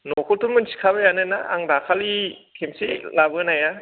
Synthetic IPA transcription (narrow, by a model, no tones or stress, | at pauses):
nɔkʰɔtumɯnsʰi̥kʰaβajanɯnaʔa̰ŋdakʰalikʰemselabɯnaja